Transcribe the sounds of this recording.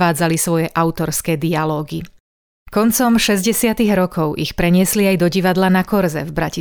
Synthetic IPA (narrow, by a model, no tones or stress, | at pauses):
aːd͡zalisʋɔjɛʔaʊt̪ɔɾskɛːd̪ialɔːɡi | kɔnt͡sɔmʃɛzɟɛsɪat̪iɣɾɔkʰɔʊʔixpɾɛɲɪɛsliajd̪ɔɟiʋad̪lanakɔɾzɛ̰vbɾaci